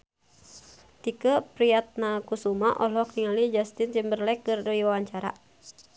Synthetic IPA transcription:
t̪ikəpɾiat̪̚nakusumaʔɔlɔkniŋalid͡ʒast̪insimbərlɛkːɨrdoiwawaɲt͡ʃaɾa̰

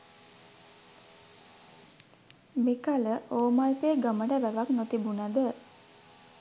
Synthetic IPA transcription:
mikaləʔoːmalpeːɡəməʈəʋæʋaknot̪ibunad̪ə

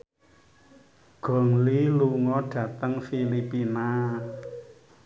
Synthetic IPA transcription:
ɡ̥ɔ̤ŋliluŋɔɖ̥ä̤t̪əŋfilipina

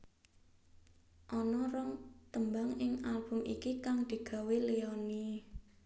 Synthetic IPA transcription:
ʔɔnɔrɔŋt̪əmbaŋɪŋalb̥ʊ̤mʔḭkikaŋd̪̥i̤ɡ̥a̤weleɔni

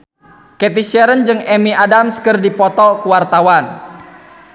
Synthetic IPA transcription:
kɛt̪̬iʃɛɾənd͡ʒɨŋɛmiadamskərdipɔt̪ɔkuwart̪awan

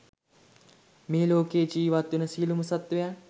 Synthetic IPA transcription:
meːloːkeːd͡ʒiːʋat̪ːenəsiːluməsat̪ʋeja

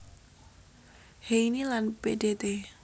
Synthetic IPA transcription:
heinilanpedet̪e

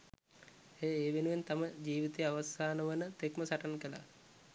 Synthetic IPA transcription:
heːeːʋenuʋent̪aməd͡ʒiːʋit̪eaʋasaːnəʋənət̪ekməsaʈankəla̰

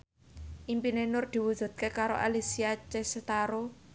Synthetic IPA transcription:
ʔimpinenʊrd̪̥i̤wud̥ʒ̥ṳt̪̚kekaɾo̰ʔalisiat͡ʃeset̪aɾo

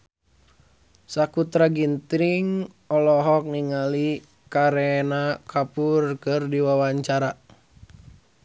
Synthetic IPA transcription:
sakut̪ɾaɡint̪ɾiŋ | ɔlɔɦɔk̚niŋali | kaɾɛnakʰapurkɨrdiwawaɲt͡ʃaɾa

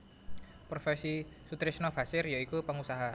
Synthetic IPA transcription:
pɾofɛsisut̪ɾisnabasɪrjaikupəŋusaɦa

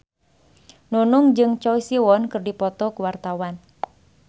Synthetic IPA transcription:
nunɔŋd͡ʒɨŋt͡ʃɔisiwɔnkɨrdipɔt̪ɔkuwart̪awan

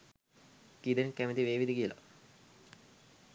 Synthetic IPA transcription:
kid̪enkæmit̪iʋeːʋid̪ikijəla̰

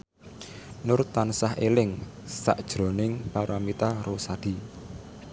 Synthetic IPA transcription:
nʊrt̪ansahḛlɪŋ | sa̰ʔd̥ʒ̥ɾo̤nɪŋpaɾamit̪aɾosad̪̥i̤

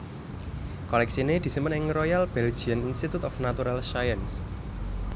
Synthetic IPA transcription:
kɔlɛk̚sined̪̥i̤simənɪŋrojalb̥ɛl̥d͡ʒ̥ianinst̪it̪ut̪ɔfnat̪uɾalʃajəns

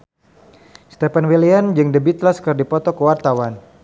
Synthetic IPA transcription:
st̪ɛpanwiliand͡ʒɨŋdəbit̪laskərdipɔt̪ɔkəwart̪awan

